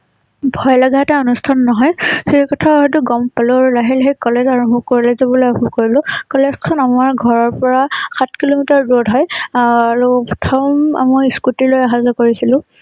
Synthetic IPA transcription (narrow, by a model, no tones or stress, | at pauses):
bʱɔjlaɡataɔnustʰanːɔɦɔjsiɹkɔtʰaɦɔjtʊɡɔmpalʊaɹulaɦilɦejkɔlezaɹɔ̃mbukoɹilezɔbɔlojɔɦukoɹilʊ̃kɔlezkʰɔnamaɹɡʱɔɹɔɹpɔɹaxat̚ʰkilomitaɹdɔdɦɔjaɹupɔtʰɔma̰mɔjiskutilojaɦazɔkoɹisilʊ̃